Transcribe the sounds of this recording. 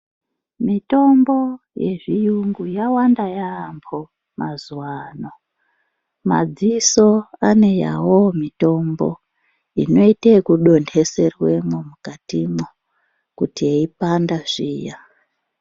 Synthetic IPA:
mito̞mbo̞ | jḛʐijuŋɡujawandajaːmbʰo̞ | mazuwano̞ | ma̰d͡ziso̞ane̞ja̰wo̞mito̞mbo̞̰ | ino̞itekuɗo̞nde̞se̞rwe̞momukatimo | kutieipandaʐiːja

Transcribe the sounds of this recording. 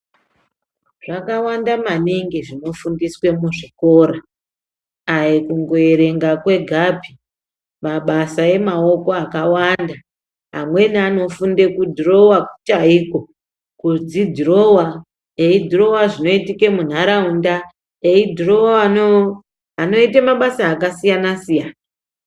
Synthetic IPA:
ʐ̥akawandamaniŋɡiʐino̞fundiswe̞muʐiko̞ːɾa | ajekuŋɡo̞eɾe̞ŋɡakwe̞ɡʱabʱi | maɓasae̞mao̞ko̞akawanda | ɦa̰mwe̞niano̞funde̞kudʱro̞waku̥t͡ʃaiko̞ | kud͡zidʱiro̞wa | eidʱiro̞waʐino̞itike̞mun̤aɾaunda | eidʱiro̞waano | ano̞itemaɓasaːkasijanasijaːna

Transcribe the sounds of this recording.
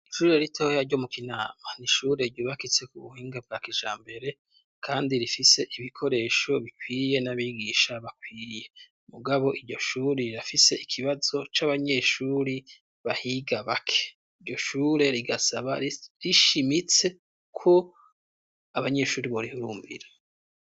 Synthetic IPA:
ʃuːɾeaɾitʰo̞jaɾɟo̞mukinaːmaniʃuːɾe̞ɾɟuβakit͡se̞kuβuhiːŋɡab̚ɡaːkiʒa̰ːmbe̞ɾe̞ | kʰaːndiɾifise̞ʔiβikʰo̞ɾe̞ʃo̞βikwiːje̞naβiːɡiʃaβakwiːje̞ | muɡaβo̞ʔiɾɟo̞ʃuːɾiɾafise̞ʔikʰiβazo̞t͡ʃaβaɲe̞ʃuːɾi | βahiɡaβakʰe̥ | iɾɟo̞ʃuːɾe̞ɾiɡasaβaɾiʃimit͡se̞ | kʰo̞ | aβaɲe̞ʃuːɾiβoɾihuɾuːmbḭɾe

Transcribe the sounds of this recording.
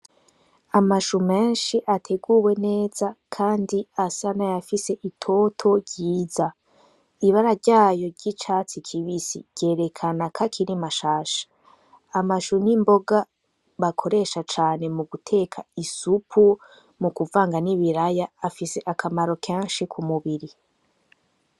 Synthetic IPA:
amaʃume̞ːnʃiʔatʰe̞ɡuwe̞ne̞ːz̥akʰaːndiasanajafise̞ʔitʰo̞tʰo̞ɾɟiːza | iβaɾaɾɟaːjo̞ɾɟit͡ʃaːt͡sikʰiβisḭ̥ɟ̥e̞ːɾe̞kʰanakʰakʰiɾimaʃaːʃḁː | maʃunimbo̞ɡa | βakʰo̞ɾe̞ʃat͡ʃaːne̞muɡutʰe̞ːkʰaisupʰu | mukuvaːŋɡaniβiɾajaːfise̞ʔakʰamaɾo̞kʰeːnʃikʰumuβiɾi

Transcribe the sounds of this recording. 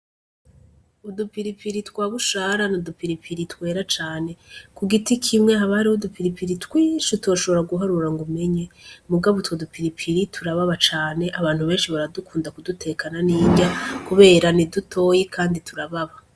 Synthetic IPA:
udupiɾipiɾitkwaːβuʃaɾanodupiɾipʰiɾitwe̞ːɾat͡ʃaːne̞kuɡitikʰimŋehaβahaɾiodupiɾipiɾitwiːʃutuaʃo̞βo̞ɾaɡuɦaɾuɾaŋɡume̞ɲemuɡaβotwodupiɾipʰiɾitʰuɾaβaβat͡ʃaːne̞ʔaβaːnhuβe̞ːnʃiβaɾadukʰuːndakudutʰe̞kʰananiːɲɟakuβe̞ːɾanidutʰo̞ːjekʰaːnditʰuɾaβaβa

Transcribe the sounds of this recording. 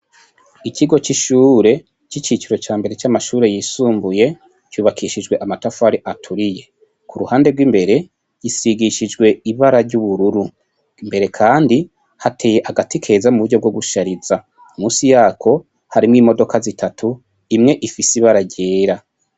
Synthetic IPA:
iciɡo̞t͡ʃiʃuːɾe̞ | t͡ʃit͡ʃit͡ʃiɾo̞t͡ʃaːmbe̞ɾe̞t͡ʃamaʃuːɾe̞jiːsuːmbuje̞ | cuːβakʰiʃid͡ʒwe̞ʔamatafaɾiʔatʰuɾije̞ | kuɾuhaːnde̞ɡwimbe̞ɾe̞ | jisiɡiʃid͡ʒɡwe̞iβaɾaɾɟuβuɾuɾu | mbe̞ɾe̞kʰaːndi | hatʰe̞ːje̞ʔaɡatikʰe̞zamuβuɟo̞b̚ɡo̞ɡuʃaɾiza | umuːsijaːkʰo̞ | haɾimŋiːmo̞do̞kazitʰatʰu | imŋe̞ʔifisiβaɾaɟeːɾa

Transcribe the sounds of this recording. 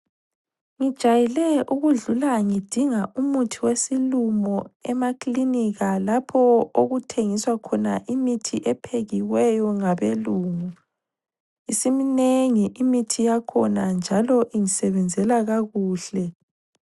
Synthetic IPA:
ŋid̥ʒ̥ʱajɛlɛuɣuɮulaŋid̥ʱiŋaʔumutʰiwesilumɔɛmakliniɣalapʰɔoɣutʰeŋiswakʰɔnaʔimitʰiʔɛpʰeɣiwɛjɔŋaβeluːŋu | isimineŋiʔimitʰijakʰɔnand͡ʒʱalɔʔiŋisɛβɛnd͡zʱɛlaɣaɣuːɬɛ

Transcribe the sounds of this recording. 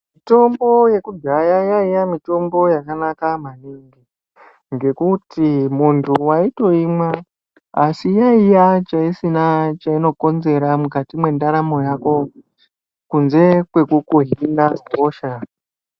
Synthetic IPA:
mito̞mbo̞je̞kud͡ʒajajaijamito̞mbo̞jakanakamaniŋɡi | ŋɡe̞kutʰimuntʰuwaito̞imwa | asijaijat͡ʃaisinat͡ʃaino̞ko̞nze̞ɾamukatimwe̞ndaɾamo̞jako̞ | kunze̞kwe̞kukuɦindaoːʃa

